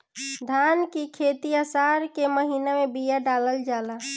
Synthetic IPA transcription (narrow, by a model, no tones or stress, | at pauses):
d̪ʱankikʰet̪iasaɾkeməɦiːnamebijaɖaləld͡ʒala